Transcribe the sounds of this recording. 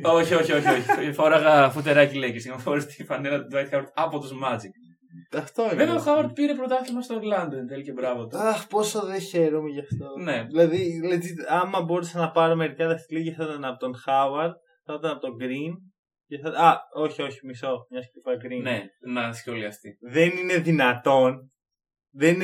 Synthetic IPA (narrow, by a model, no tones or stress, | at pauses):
oçio̞çio̞çioçiefo̞ɾɐɣɐfut̪eɾɐcilecesmɐfoɾɐst̪ifɐnelɐt̪d̪ɐjt̪xɐwɐɾd̪ɐpot̪uzmɐd͡zik | ɐft̪o̞iveveoxɐwɐɾd̪̚piɾepɾot̪ɐθizmɐst̪oɾlɐnd̪ent̪elicebɾɐvot̪uɐxpo̞soðeçe̞ɾomeʝɐft̪oneðilɐðiletiɐmːɐbo̞ɾesɐnɐpɐɾome̞ɾicɐðɐst̪iliʝɐθɐt̪ɐnɐpot̪onxɐwɐɾd̪̥̚ | θɐt̪ɐnɐpot̪oɡɾin | ceθɐt̪ɐo̞çio̞çimiso̞mɲɐskipɐɡɾineunɐnisceoliɐft̪iðenine̞ðinɐt̪o̞n | ðenin